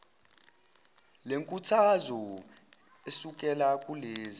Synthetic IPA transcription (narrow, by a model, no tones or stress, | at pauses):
leŋkʼutʰazɔ | esuk̬ʼɛlakʼuleːzi